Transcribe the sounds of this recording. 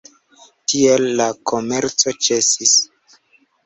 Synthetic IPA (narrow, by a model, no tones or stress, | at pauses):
tie̞lːakʰo̞me̞ɾt͡so̞t͡ʃe̞sis